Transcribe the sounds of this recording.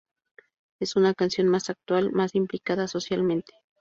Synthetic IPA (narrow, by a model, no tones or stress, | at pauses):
e̞sunakansjo̞nmasak̚t̪walmasimplikaðaso̞sjalmẽ̞nt̪e̥